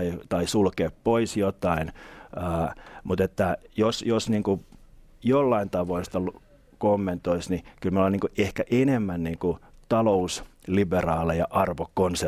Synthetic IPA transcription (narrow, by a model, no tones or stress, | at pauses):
it̪ɑisulkeːppoisjot̪ɑinəːmut̪et̪ːæjosjosniːŋku | jolːɑint̪ɑʋoist̪ɑlu | komːent̪oisnikylmolːeniŋkuʔehkæʔenemːænniːŋkut̪ɑlousliberɑːlejɑʔɑrʋokkonse